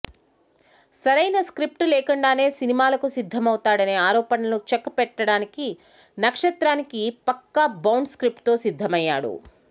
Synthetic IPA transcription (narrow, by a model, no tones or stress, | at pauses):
sɐɾɐjnɐskɾip̚ʈulɛːkɐɳɖaːne̞ːsinimaːlɐkusid̪ʱːɐmɐwt̪aːɽɐneːaːɾɔːpɐnɐlut͡ʃekːpɛʈːɐɽaːniki | nɐkʂɐt̪ɾaːnikipɐkːɐbɐwɳɖskɾip̚ʈt̪o̞ːsid̪ʱːɐmɐjːa̰ːɽṵ